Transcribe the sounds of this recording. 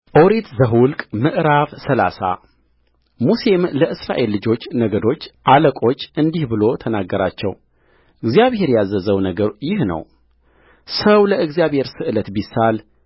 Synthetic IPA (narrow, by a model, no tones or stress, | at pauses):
ʔoɾet̪zəɦwʊlkʼmɨʔɾavsəla̰sa̰ | muse̞mləʔɨsɾa̰ʔe̞lːɨd͡ʒo̞t͡ʃːnəɡəd̪o̞t͡ʃːʔaləkʼo̞t͡ʃːɨnd̪ihbɨlo̞t̪ʰənaɡːəɾa̰t͡ʃːɛ̰w | ʔɨɡzijaβhe̞ɾjazːəzəwnəɡəɾjɪhnə̰w | səwləɨɡzijaβhe̞ɾsɨʔɨlət̪bisal